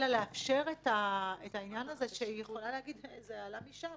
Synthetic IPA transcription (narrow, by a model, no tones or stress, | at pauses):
laleafʃe̞ʁetaetainjanaze̞ʃeijeχo̞laleaɡid̪zealamiʃa